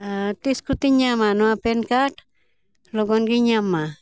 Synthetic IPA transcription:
at̪iskut̪iɲamanuapenkaʈ | loɡonɡiɲama

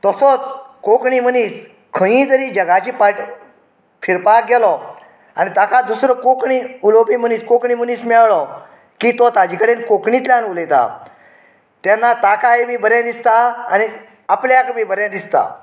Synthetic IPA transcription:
t̪əsɔt͡skokɳiːməniːs | kʰə̃jĩd͡zəɾiːd͡ʑəɡat͡ɕiːpaʈ | fʰiɾpaɡɛlɔ | a̰nit̪akʰad̪usɾɔkokɳiulopiməniːskokɳiməniːsmɛɭɭɔ | kiːt̪ɔt̪ad͡ʑikəɽenkokɳit̪ljanuləjt̪a̰ | t̪janːat̪akajmiːbəɾjãd̪ist̪aa̰ni | apljakəmiːbəɾjãd̪ist̪a̰

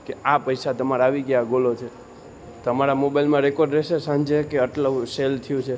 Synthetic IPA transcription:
keapəjsat̪əmaɾaːʋiɡjaɡolot͡ʃʰe | t̪əmaɾamobajlmãɾekoɾɖɾɛʃesãnd͡ʒekeəʈləselt̪ʰijũt͡ʃʰe

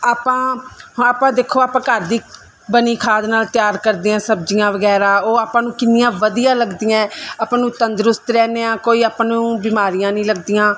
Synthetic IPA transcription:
aːpãːɦaːpãːd̪eːkʰːoːaːpãːkəɾd̪iː | bəniːkʰaːd̪naːlt̪jaːɾkəɾd̪eːãːsəbd͡ʒɪjãːʋəɡɛːɾaːoːaːpãːnũːkɪnɪjãːʋəd̪ijãːləɡd̪ɪjãːaːpːnũːt̪ənd̪ɾʊst̪ɾɛːneːãːkoːiːaːpnũːbɪːmaːɾɪjãːnĩːləɡd̪ɪjãː

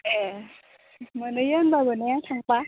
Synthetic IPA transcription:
ʔɛː | manɯjɯnbabənɛt͡ɕʰaŋpa

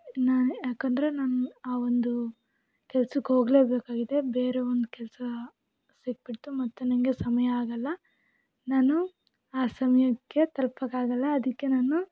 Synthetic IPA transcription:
naːnjaːkɐnd̪ɾe̞naːnuaːʋond̪u | kɛlsukːeɦo̞ːɡle̞ːbeːkaːɡid̪e̞beːɾe̞ond̪ukɛlɐsɐ | siɡ̚piɽt̪umɐt̪ːunɐnɡe̞sɐmɐjɐaːɡɐlːɐ | naːnu | aːsɐmɐjɐkːe̞t̪ɐlpɐkaːɡɐlːɐːd̪ikːe̞naːnu

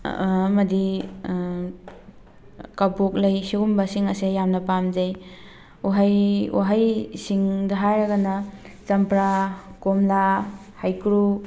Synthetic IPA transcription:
mɐdi | kabok̚lɐjsiɡumbasiŋɐsejamnɐpamzaj | uɦajṵɦajsiŋdaɦajaɡana | t͡ʃɐmpɾakomla | hajkɾu

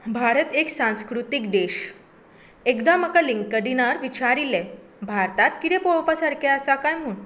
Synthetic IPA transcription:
bʱaɾət̪eksãñskɾut̪ikd̪eɕ | ekd̪aməkaliŋkkəɖinaɾʋit͡ɕaɾilɛ | bʱaɾt̪at̪kit̪ɛpowpasaɾkʰeəsakajm̤uːn

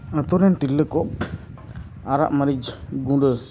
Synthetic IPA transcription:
ət̪ɔɾɛnʈilːəkɔ | aɾa̰ʔməɾid͡ʒɡũɖə

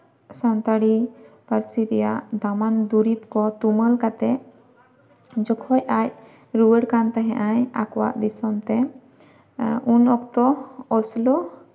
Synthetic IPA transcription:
sant̪aɽipaɾsiɾɛjaʔd̪amand̪uɾipkɔt̪uməlkat̪ɛ | d͡ʒɔkʰɔjac̚ | ɾuwəɽkant̪aɦɛ̃ʔaja̰kɔwa̰ʔd̪isɔmt̪ɛ | unɔkt̪ɔɔslɔ

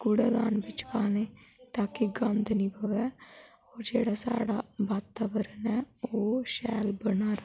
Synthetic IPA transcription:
ɡ̥ʊɽaːd̪aːnbɪt͡ʃkaːneːt̪aːkiɡãnd̪niːpəʋɛː | oːɾd͡ʒeːɽaːsa̰ːɽaːbaːt̪aːʋəɾənɛːoːʃɛːlbənaːɾ

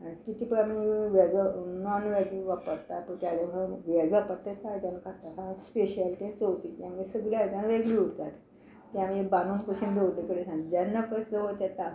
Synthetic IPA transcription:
akit̪iːpəɾamiʋɛɡənɔnʋɛɡliʋapəɾt̪at̪̚pəɳt̪jad̪eəʋɛɡʋapəɾt̪at̪ʰajt̪janakʰaɾt̪at̪ãspeɕəlt̪ẽt͡sowt̪it̪jamulesəɡljaajt̪janʋeɡliuɽt̪at̪ | t̪ːjãmebanunpəsuːnɡeuekəɽesãŋd͡ʑanːapəsd͡zəʋət̪at̪a

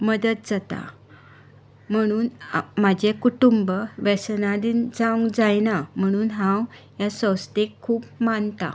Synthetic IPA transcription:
məd̪ət̪̚d͡zat̪a̰ | m̤əɽ̃uːnmad͡ʑekuʈumbəʋɛsnad̪iːnd͡zãw̃ŋɡd͡zajnam̤əɽ̃uːnɦãw | jasə̃wst̪ekʰːuːpmant̪a̰

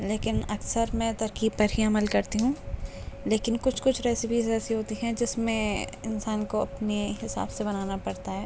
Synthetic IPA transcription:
leːkɪnɐksəɾmɛ̃t̪ɐɾkiːb̚pɐɾɦiɐməlkɐɾt̪iɦũːleːkɪnkʊt͡ʃʰkʊt͡ʃʰɾɛːsɪpiːzɛːsiɦoːt̪iɦɛ̃d͡ʒɪsmẽɪnsaːnkoɐpneɦɪsa̰ːbsebɐnaːnapɐɾt̪aɦɛː

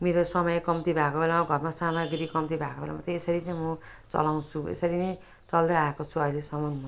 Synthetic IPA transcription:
meɾosʌmʌjkʌmt̪ibʱakobelamaɡʱʌrmasamaɡɾikʌmt̪ibʱakobḛla̰mat͡sʌ̃esʌɾit͡sʌj̃mʌ | t͡sʌ̰law̃t͡sʰuḛsʌɾinʌj | t͡sʌld̪ʌaekot͡sʰuʌjlesʌmʌnu

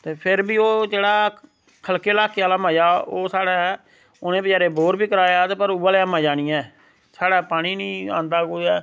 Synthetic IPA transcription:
t̪eːpʰɪɾbiːoːd͡ʒeːɽaː | kʰəlkeːlaːkeaːlaːmãːjaːoːsaːɽaː | ʊnẽːbəd͡ʒaːɾeːboːɾbiːkəɾaːjaːt̪eːpəɾuːaːleamãːd͡ʒaːɽ̃iːɛ̃ː | saːɽaːpaːɽ̃iːnĩːã̰ːnd̪aːkoɛː

